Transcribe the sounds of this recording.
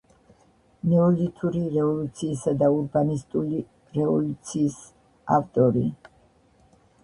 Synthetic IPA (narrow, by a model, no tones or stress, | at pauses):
nɛɔlit̪ʰuɾiɾɛvɔlut̪sʰiːsad̪auɾbanist̪ʼuli | ɾɛvɔlut̪sʰiːs | a̰ft̪ʼɔɾi